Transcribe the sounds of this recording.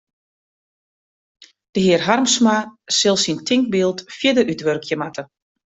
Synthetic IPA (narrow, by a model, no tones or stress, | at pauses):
d̥əɦɪərɦarmsmasɪlˠsintʰɪŋk̚bilˠtfjədəʔytʋørkʰjəmatə